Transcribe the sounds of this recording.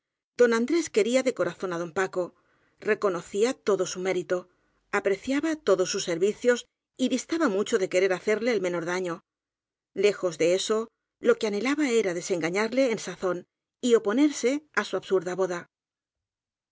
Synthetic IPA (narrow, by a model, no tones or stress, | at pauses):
d̪̥o̞nãnd̪ɾe̞ske̞ɾiaðe̞ko̞ɾaθo̞naðo̞mpako̞ | re̞ko̞no̞θiat̪o̞ðo̞sume̞ɾit̪o | apɾe̞θjaβat̪o̞ðo̞sːusːe̞ɾβiθjo̞s | iβist̪aβamut͡ʃo̞ðe̞ke̞ɾe̞ɾaθe̞ɾle̞ːlme̞no̞ɾðaɲo̞ | le̞xo̞zðe̞e̞so̞ | lo̞keane̞laβae̞ɾaðe̞se̞ŋɡaɲaɾle̞ːnsaθo̞n | io̞po̞ne̞ɾse̞asuaβsuɾðaβo̞ða